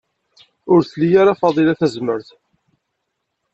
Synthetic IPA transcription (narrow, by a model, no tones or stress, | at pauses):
ʊɾθlijaɾafɑðˤilæθæzməɾθ